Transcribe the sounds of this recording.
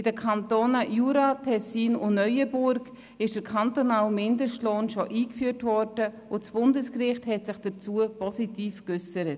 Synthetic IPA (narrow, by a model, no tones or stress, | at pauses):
ɪdəkʰɑntoːnəjuːɾatʰɛsiːnʊnœʏəbʊɾɡ | ɪʃd̥əkʰantonaːlmɪndəʃtloːnʃoʔiːkfyːəɾtvɔrdə | ʊtsb̥ʊndəskrɪχthɛtsɪχd̥ət͡suəpɔsitiːfkʏsəɾət